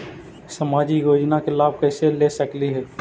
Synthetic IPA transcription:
səmaːd͡ʒiɡʱoːd͡ʒnakelaːb̚kɛːselesəkliɦɛː

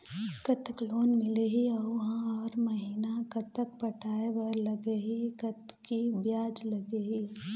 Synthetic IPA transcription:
kɐt̪əkloːnmɪleɦiɐuɦãɔːɾmɐɦiːnakɐt̪ək̚pɐʈʰaːebɐɾlɐɡeɦikɐt̪kibjaːd͡ʒlɐɡeɦiː

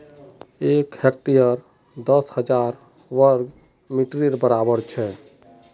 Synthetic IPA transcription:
ekhek̚ʈijəɾ | d̪əshəd͡ʒaɾ | ʋəɾɡ | miʈɾiɾbəɾabəɾt͡ʃʰɛ

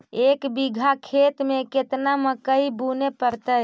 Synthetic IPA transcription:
ekbiɡʱakʰet̪meket̪naməkəibunepəɾt̪əj

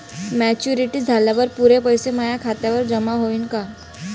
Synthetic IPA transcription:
mɛːt͡ʃuɾiʈid͡zʱaːlebɐɾpuːɾepɐjsemaːjakʰaːt̪eʋɐɾd͡ʒɐmaɦoːɪnkaː

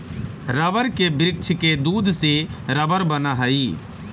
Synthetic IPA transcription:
ɾəʋəɾkebɾɪk̚t͡ʃʰked̪uːd̪seɾɐʋəɾbənaːɦaiː

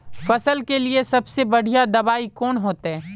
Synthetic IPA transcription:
fɐsəlkeliesɐbsebɐɽ̤ijad̪ɐbaːikɔːnɦoːt̪aɦɛː

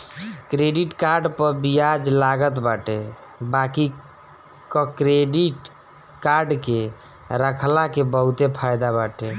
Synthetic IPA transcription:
kɾeɖiʈkaɾɖpəɾbijad͡ʒlaɡət̪baʈe | baki | kəkɾeɖiʈ | kaɾɖke | ɾəkʰlakebəɦut̪epʰajd̪abaʈe

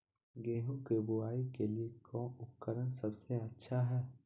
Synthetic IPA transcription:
ɡeːɦũkeːbʊaːikeliekɔ̃ːʊkːəɾənsɐbseɐtːʃʰaɦɛː

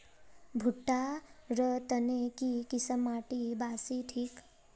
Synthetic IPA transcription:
bʱuʈːaɾət̪ənekikisəmaʈibasiʈʰiːk

